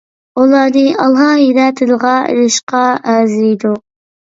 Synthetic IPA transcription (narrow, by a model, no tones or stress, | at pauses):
ulˠɑd̪ɨɑlˠɦɑjeɾæt̪ʰɨd̪əʁɑḛɾɪʃqɑæzijd̪u